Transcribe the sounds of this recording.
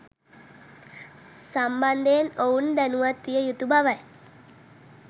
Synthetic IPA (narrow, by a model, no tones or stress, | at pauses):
samband̪ejenound̪ænuʋat̪ːijəjut̪ubaʋaj